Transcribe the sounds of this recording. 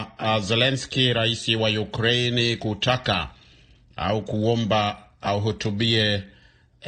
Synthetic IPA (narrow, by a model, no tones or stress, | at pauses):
zɛlɛnskiɾaisiwajukɾeinikutaka̰ | a̰ukuɔmbaːuɦutuɓiɛ